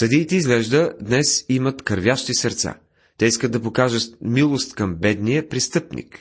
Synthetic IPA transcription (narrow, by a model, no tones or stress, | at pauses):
sɐd̪iːt̪ɛizɡlɛʒd̪əd̪nɛsimət̪kəɾvʲjaʃt̪isɐɾt̪sa̰ | t̪ɛiskəd̪ɐpokaʒət̪milˠost̪kɐmbɛd̪nijəpɾist̪ɤpnḭk